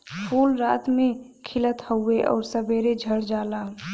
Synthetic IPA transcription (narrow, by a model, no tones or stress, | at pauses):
pʰuːlɾaːt̪mẽ | kʰɪlət̪həueʔɔ̰ːɾsəbeɾed͡ʒʱəɽd͡ʒaːla